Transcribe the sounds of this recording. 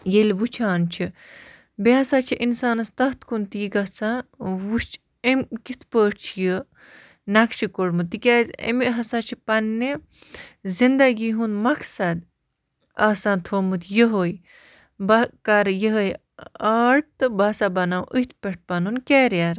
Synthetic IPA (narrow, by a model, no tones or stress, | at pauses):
jelʲʋut͡ʃʰaːnt͡ʃʰi | beɦɐsaːt͡ʃʰiʔinsaːnɐst̪ɐɦt̪kʰunt̪jiɡɐt͡sãwut͡ʃ | emkit̪ʰpəːʈʰt͡ʃʰijə | nɐkt͡ʃʰikoɽmɨt̪ːikʲaːzʲḛmiɦɐsaːt͡ʃʰipɐnːi | zind̪ɐɡiɦunmɐksɐd̪ | ɐːsãːnt̪ʰoːmɨt̪jəɦoːj | bɐkɐɾjəɦəj | aːɽt̪ɨbɐsabɐnaːwʔit̪̚ʰpʲeʈ̚ʰpɐnunkeːɾjaɾ